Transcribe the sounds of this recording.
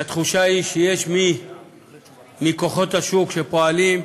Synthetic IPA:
at̪χuʃaiʃejeʃmi | miko̞χo̞t̪haʃukʃepo̞alim

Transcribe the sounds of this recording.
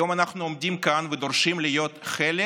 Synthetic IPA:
o̞manaχnuomd̪ʲimkanved̪oɾʃimlijo̞t̪χele

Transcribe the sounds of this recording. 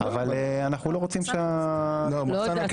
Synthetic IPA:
a̰valeanaχnulo̞ʁot͡simʃealomosanak

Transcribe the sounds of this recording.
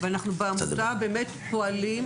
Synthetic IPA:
veanaχnubeamutabeːmet̪po̞alim

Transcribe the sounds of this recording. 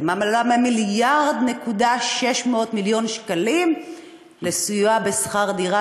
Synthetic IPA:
mamallamemiljaʁd̪ne̞kudaʃe̞ʃmeot̪miljo̞nʃkalim | lesujabesχaʁd̪iʁa

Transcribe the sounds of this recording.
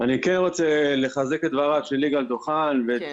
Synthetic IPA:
anikenʁo̞t͡sele̞χazeket̪vaʁavʃelːiɡald̪oχanve

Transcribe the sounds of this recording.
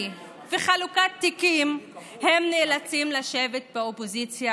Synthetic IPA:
veχalukat̪ːikim | hemneːlat͡simlaʃevet̪̚beopozit͡sja

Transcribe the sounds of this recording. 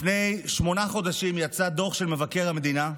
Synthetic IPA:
ne̞jʃmo̞naχo̞d̪aʃimjat͡sad̪o̞ʃelme̞vake̞ʁhamed̪ina

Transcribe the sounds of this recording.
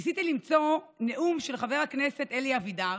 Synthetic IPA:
sit̪ilimt͡so̞neʔumʃe̞lχave̞ʁhakne̞se̞t̪eliavida

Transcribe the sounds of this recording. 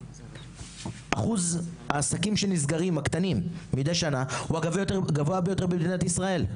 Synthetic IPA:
ʔaχuzhaːsakimʃelnizɡaʁimakt̪animmid̪ejʃanahuaɡavejot̪eɡavoabejo̞t̪e̞bemd̪inat̪isʁae̞l

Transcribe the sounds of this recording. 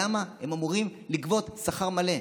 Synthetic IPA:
amahe̞mamuʁimlikvo̞t̪saχaʁmale̞

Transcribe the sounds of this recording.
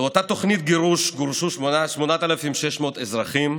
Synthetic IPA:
ot̪at̪o̞χnit̪̚ɡeʁuʃɡuʁʃuʃmonaʃmonat̪alafimʃeʃmo̞t̪ezʁaχim

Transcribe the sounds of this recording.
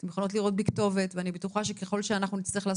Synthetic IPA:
temjeχono̞t̬liʁo̞t̚bikto̞ve̞tveanibetuχaʃekeχo̞lʃeanaχnunit͡sliiχlas

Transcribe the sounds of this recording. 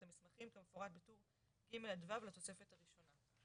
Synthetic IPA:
amismaχimkemefo̞ʁat̪̚betuʁ | ɡimeladvavlat̪o̞se̞fethaʁiʃo̞na

